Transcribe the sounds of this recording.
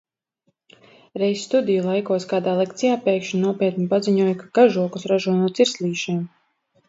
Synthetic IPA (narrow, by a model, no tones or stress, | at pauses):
ɾɛjssːt̪ud̪ʲijulˠajkuɔskaːd̪aːlˠɛk̚t̪sijaːpɛːkʃnuɔpiɛt̪nipaziɲuɔjkaɡaʒuɔkusɾaʒuɔnuɔt̪siɾslʲiːʃiɛm